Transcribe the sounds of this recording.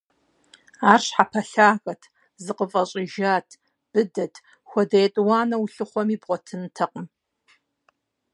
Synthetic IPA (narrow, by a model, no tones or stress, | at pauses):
aːrɕħapʰɐɬaːɣɐtʰ | zɨqəfʼɐɕʼɪʒaːtʰ | b̥ɨdɐtʰ | xʷɔdɐjɛtʼwɑːnɐwuɬɨχʷɔmiːbʁʷɔtʰɨntʰɐqʼəm